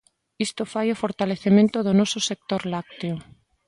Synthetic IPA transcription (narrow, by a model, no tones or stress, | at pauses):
ist̪ofajofoɾt̪aleθemẽnt̪ʊðʊnɔsʊsek̚t̪oɾlak̚t̪eo